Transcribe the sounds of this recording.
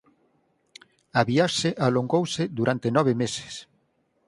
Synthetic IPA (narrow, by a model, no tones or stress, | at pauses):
aβiaʃeʔaloŋɡowsed̪uɾant̪enɔβ̞emese̥s